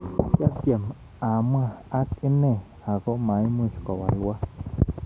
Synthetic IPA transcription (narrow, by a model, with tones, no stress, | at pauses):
kja˦kje˨m | ã˨mã˦˧a˦ki˦nẽ˦˧˨ | a˨ɡo˦ʔmã˨˦j̃mĩ˧˨ʃko˨wa˨lwa˦